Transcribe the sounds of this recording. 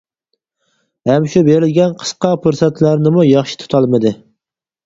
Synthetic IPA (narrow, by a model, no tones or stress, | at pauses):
hɛmʃubeɾɪlɡʲɛnqʰə̥sqɑpuɾsɛt̪læɾnɪmujɑχʃi̥t̪ʰu̥t̪ʰɑlˠmɨd̪ɨ